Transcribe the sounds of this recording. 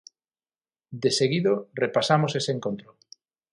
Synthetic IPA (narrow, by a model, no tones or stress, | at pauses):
d̪eseɣiðorepasamoseseːŋkont̪ɾo